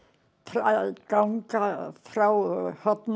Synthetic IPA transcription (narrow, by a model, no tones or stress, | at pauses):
fɾakawŋkafɾawhɔt̪n